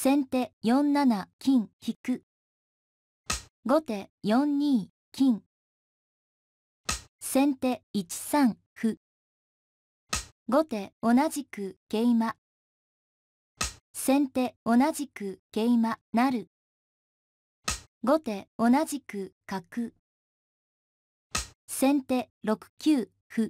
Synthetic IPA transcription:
sẽ̞nt̪e̞jõ̞nnːanakʲĩŋçikɯ̟ | ɡo̞t̪e̞jõ̞ɲɲĩː | kʲĩŋ | sẽ̞nt̪e̞it͡ɕi̥sãŋ | hɯ̟ | ɡo̞t̪e̞o̞naʑikɯ̟ɡ̥e̞ima | sẽ̞nt̪e̞o̞naʑikɯ̟ɡ̥e̞imanaɾɯ̟ | ɡo̞t̪e̞o̞naʑikɯ̟kakɯ̟ | sẽ̞nt̪e̞ | ɾo̞kɯ̟̥kʲɨː | hɯ̟

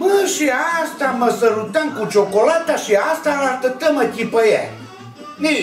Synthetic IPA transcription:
mɨʃiast̪aməsəɾut̪əŋkut͡ʃokolat̪aʃiast̪aɾast̪ət̪əməkʲipəja̰ | ni

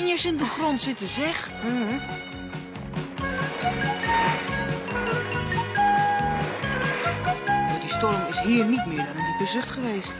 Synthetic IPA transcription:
njɛsɪndəxrontsɪtəsɛx̩ | dodistɔrəmɪshiːərnitmɪədɔnəndibəzøxtχəʋeːst

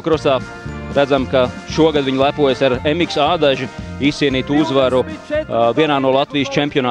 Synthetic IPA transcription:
kɾɔsaː | ɾæd̪zamka | ʃuɔɡad̪ʋiɲlˠæpuɔjsaɾemiksaːd̪aʒiiːsiɛniːt̪uzʋaɾuviɛnaːnuɔlˠat̪ʋijst͡ʃempijɔnaː

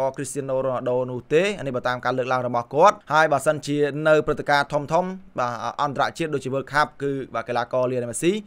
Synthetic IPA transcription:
ɑːkrist̪iənːoːɾoənhaɗoːnʊ̆əht̪eːnihɓəːt̪aːmkaːləːk̚laəŋrɔɓɑhkŏət̪̚haəjɓaːsənt͡ɕiənɨwprɨt̪ːekaːt̪ʰumt̪ʰumɓaːʔɑnt̪aɾa̰ʔt͡ɕiət̪̚ɗoːt͡ɕ̚t͡ɕiəʋəːlkʰap̚kɨːɓaːkelaːkɑːliənjmasiː

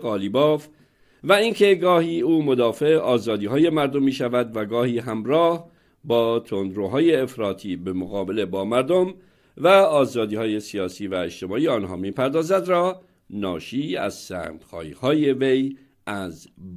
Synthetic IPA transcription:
ɣɒːliːbɒːf | væincʰe̞ɡɒːhiːuːmo̞d̪ɒːfe̞ɒːzɒːd̪iːɦɒːje̞mæɾd̪omːiːʃævæd̪væɡɒːhiːɦæmɾɒːh | bɒːt̪ʰond̪ɾoɦɒːje̞ːfɾɒːt̪ʰiːbe̞moɣɒːbe̞le̞bɒːmæɾd̪om | væɒːzɒːd̪iːhɒːje̞sijɒːsiːvæeʃt̪ʰe̞mɒːʔiːɒːnɦɒ̰ːmiːpʰæɾd̪ɒːzæd̪ɾɒː | nɒːʃiːæ̰z̥sæ̰ːmd̪̥xɒ̰ːiːhɒːje̞ve̞j | ʔæz

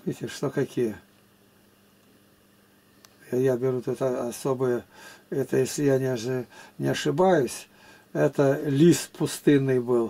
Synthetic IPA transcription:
vʲitʲɪʂt̪okɐkʲijə | ajabʲɪɾut̪ut̪ɐɐsobɨjəɛt̪əjesʲlʲɪjanʲɪɐʐɨnʲɪɐʂɨbajʊsʲ | ɛt̪əlʲispʰʊst̪ɨnːɨjbɨlˠ

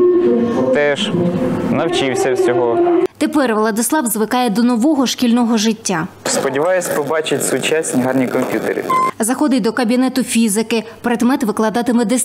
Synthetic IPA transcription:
t̪ɛʒnɐwt͡ʃɪwsʲɐwsʲɔɦɔt̪epɛrʋlˠɐd̪ɪslˠɑwzʋɪkɑjɛd̪ɔnɔʋɔɦɔʃkʲilʲnɔɦɔʒɪtʲːaspɔdʲiʋɑjʊsʲpɔbɑt͡ʃɪtʲsʊt͡ʃasʲnʲiɦɑrnʲikɔmʲpʲjut̪ḛɾʲḭzɐxɔd̪ɪjʲd̪ɔkɐbʲinɛt̪ʊfʲizɪkɪpɾed̪mɛt̪ʋɪklˠɐd̪ɑt̪ɪmɛd̪ɛ

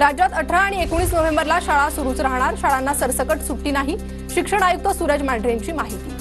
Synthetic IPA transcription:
ɾad͡ʑat̪əʈʰɾaːɽ̃iekoɽ̃iːsnəʋembəɾlaɕaɭasuɾuːt͡sɾaɦɳ̃aɾɕaɭanːasəɾsəkəʈsuʈːiːnaɦi | ɕikʂəɽ̃ajuk̚t̪əsuɾəd͡ʑmæɖɾeɲt͡ɕiːmaɦit̪i

